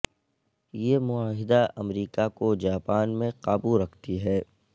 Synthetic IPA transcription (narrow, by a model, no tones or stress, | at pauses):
jemʊaːɦɪd̪aʔɐmɾiːkakod͡ʒaːpaːnmẽqaːbuɾɐkʰt̪iɦɛː